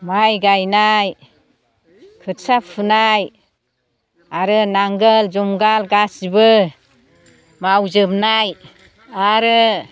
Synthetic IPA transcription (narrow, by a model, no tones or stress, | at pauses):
majɡajnaj | kʰɯtsapʰɯnaj | aɾɯnaŋɡəld͡ʒumɡalɡasibɯ | mawzɯbnaj | aɾɯ